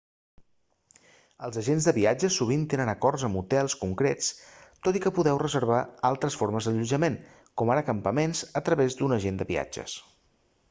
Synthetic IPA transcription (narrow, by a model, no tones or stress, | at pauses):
əlˠzəʒenzðəβiad͡ʒəsuβ̞int̪enənəkɔrzəmut̪ɛlˠskuŋkɾet͡st̪ot̪ikəpuðɛwrəzəɾβ̞aalˠt̪ɾəsfoɾməzðəʎud͡ʒəmen | kɔmaɾəkəmpəmenzət̪ɾəβezd̪unəʒend̪əβia̰d͡ʒə̰s